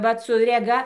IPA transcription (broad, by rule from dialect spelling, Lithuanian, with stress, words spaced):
ˈʋɐt sʊ rʲɛˈɡɐ